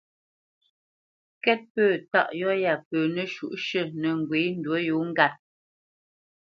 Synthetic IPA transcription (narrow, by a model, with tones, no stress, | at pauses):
kɛ˦t̚pəː˦˨ta̰˦˨ʔjɔ˦ja˨pəː˨nə˨ʃu˦˨ʔʃə˦˨nə˨ŋ˨ɡwe˨˦n̩˦dwə˦jo˨˦ŋ̩˦ɡa˦˨t̚